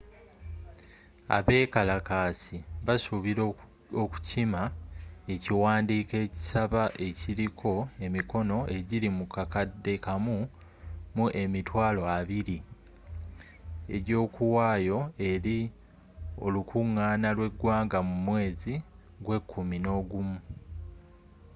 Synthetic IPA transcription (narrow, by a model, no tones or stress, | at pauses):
a̰βe̞ːkalakaːsiβasuβiɾo | oku̥cimae̞ciwaːndiːke̞ːci̥saβaʔe̞ciɾikʰo̞e̞miko̞no̞ʔe̞ɟiɾimukakadːe̞kamu | muʔe̞mitwaːlo̞aβiɾi | e̞̰ɾo̞ːkuwaːjo̞e̞ɾi | o̞̰lukʰuŋːaːnalwe̞ɡwaːŋɡamumwe̞ːzi | ɡwe̞kʰːumino̞ːɡumu